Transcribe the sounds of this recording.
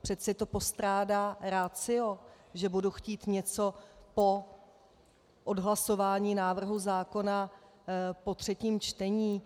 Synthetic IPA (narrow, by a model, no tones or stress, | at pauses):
pr̝̥ɛt̪t͡sɛt̪o̞po̞st̪ɾaːdaːɾat͡sɪo̞ | ʒɛbuduxciːt̪ɲɛt͡so̞po̞ | ʔodɦlaso̞vaːɲiːnaːvr̩ɦuzaːko̞na | po̞t̪r̝̥ɛciːmt͡ʃt̪ɛɲiː